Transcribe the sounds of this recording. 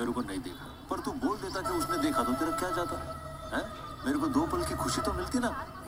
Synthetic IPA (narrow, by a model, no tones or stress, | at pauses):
meːɾokonɐɦĩd̪ḛːkʰa̰ | pɐɾt̪uboːld̪eːt̪akiʊsnẽd̪eːkʰad̪õt̪eːɾɐkjaːd͡ʒaːt̪aɦɛ | ɦɛ̃ː | meːɾekod̪oːpɐlkixʰʊʃit̪omɪlt̪ina